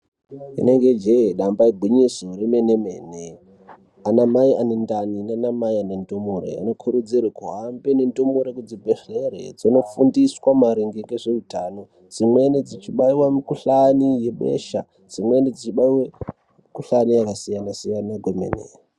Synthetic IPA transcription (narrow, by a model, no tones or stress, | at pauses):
ḭne̞ŋɡed͡ʒeɗambaiɡʱwiɲisoremenemḛːne | anamaianendaninanamaianendomoɾḛa̰nokʰuɾud͡zirekuɦambenendomoɾekud͡zibʱeɬerḛd͡zino̞fundiswamaɾiŋɡeŋɡeʐeutaːno̞ | d͡zimwened͡zit͡ʃiɓaiwamikuɬanije̞ɓḛʃa̰ | d͡zimwened͡zit͡ʃiɓaiwe | mikuɬanijakasijanasijanaɡwemḛnḛ